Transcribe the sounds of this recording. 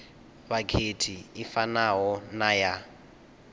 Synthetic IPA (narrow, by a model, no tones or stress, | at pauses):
βakʰetʰiifanaɦɔnaja